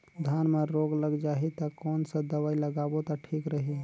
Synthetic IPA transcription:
d̪ʱjanmeɾoɡləɡd͡ʒaɦit̪əkɔːnsə̃d̪əʋailəɡabot̪ɔʈʰikɾəɦi

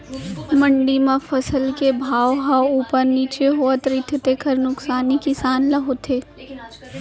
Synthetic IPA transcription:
mɐ̃ɳɖimãfʰɐsəlkebʱaːʋɦauːpəɾniːt͡ʃeɦoːət̪ɾɪt̪ʰt̪ekʰɐɾnʊksaːnikɪsaːnlɐɦot̪ʰeː

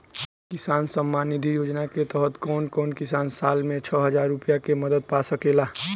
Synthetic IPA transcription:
kɪsaːnsəmːanid̪ʱijoːd͡ʒnaket̪əɦət̪kɔːnkɔːnkɪsaːnsaːlmẽt͡ʃʰəɦəd͡ʒaːɾːupijakeməd̪əd̪̚pasəkela

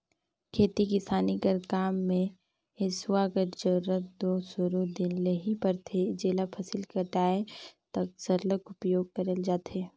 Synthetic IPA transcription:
kʰeːt̪ikɪsaːniɡəɾkaːmːẽ | ɦesuaɡəɾd͡ʒɐɾuɾət̪̚d̪oːsʊɾud̪ɪnleɦipəɾt̪ʰed͡ʒeːlapʰɐsɪlkəɾʈ̪aːet̪ɐk̚sɐɾləkʊpjoːɡ̚kɐɾeld͡ʒaːt̪eː

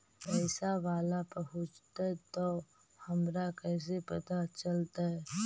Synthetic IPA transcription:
pɛːsaʋaːlapɐɦʊ̃t͡ʃt̪aɛt̪o | hɐmɾakɛːs̬epɐt̪at͡ʃəlt̪aɦɛ

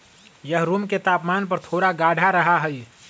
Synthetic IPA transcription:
jəɦɾuːmket̪aːpmaːnpəɾt̪ʰoːɾaɡaːɖʱaɾəɦaɦəi

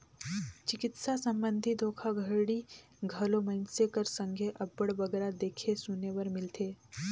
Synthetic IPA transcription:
t͡ʃɪkɪt̪sasə̃mbə̃nd̪ʱid̪ʱoːkʰaɡʱəɽi | ɡʱɐlõmə̃nsekəɾsə̃ŋɡʱeʔɐbəɽbɐɡɛɾad̪eːkʰesuneʋəɾmɪlt̪ʰeː

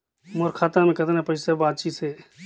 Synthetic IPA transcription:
moɾkʰaːt̪ãmẽkɐt̪ːnapəɪsəbaːd̪̚t͡ʃiːt̪seː

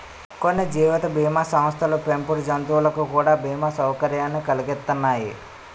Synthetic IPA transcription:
konːid͡ʒiːʋɐt̪ɐbʱiːmaːsɐmst̪ʰɐlupempuɾd͡ʒɐnt̪uːlɐkukuːɽaːbʱiːmaːsɐwkɐɾjaːnːikɐliɡet̪ːɐnːaːji

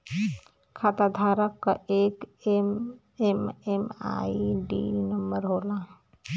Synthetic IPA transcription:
kʰat̪ad̪ʱaɾəkːaekm | emema̰iɖḭnəmbəɾɦola

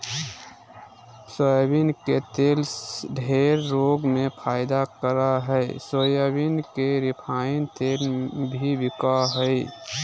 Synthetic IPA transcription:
səjəbinket̪elɖʱeɾːoɡmepʰaːɪd̪akəɾaɦəjsojəbinkeɾɪpʰaːint̪elbʱibɪkaɦəɪ

